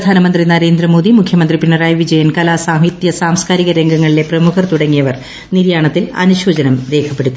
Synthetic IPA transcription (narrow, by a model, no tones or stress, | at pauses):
pɐd̪ʱaːnɐmɐnd̪rinɐɾe̞ːnd̪ɾɐmo̞ːd̪imukʰjɐmɐnd̪ripiɳːɐraːjʋid͡ʑɐjɐnkɐlaːsaːɦit̪jɐsaːmskaːɾiɣɐɾe̞ŋɡɐŋːɐɭile̞prɐmukʰɐrt̪uɽɐŋːijɐʋɐr | niɾjaːɳɐt̪ːilɐ̰nuɕoːd͡ʑɐnɐmɾe̞ːkʰɐpːe̞ɽut̪ːi